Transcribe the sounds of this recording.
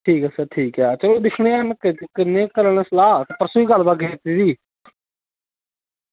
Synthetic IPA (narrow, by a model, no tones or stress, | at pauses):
ʈʰiːkəsaːʈʰiːkɛt͡ʃəloːd̪ɪkʰneːamkkɪnːẽːkəɾəneslaːt̪eːpɾəsuːiːɡəlbaːɡeːt̪idiː